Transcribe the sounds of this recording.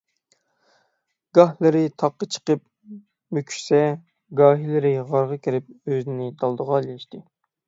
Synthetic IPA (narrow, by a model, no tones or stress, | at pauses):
ɡ̥ɑhlˠɨɾɪt̪ʰɑqːət͡ʃʰə̥qəp̚ | møkʲʰy̥ʃsɛ | ɡɑːɦilɪɾɪʁɑɾʁɑkʲʰiɾɪp̚øzɪnɪd̪ɑlˠd̪əʁɑlilɪʃt̪ɪ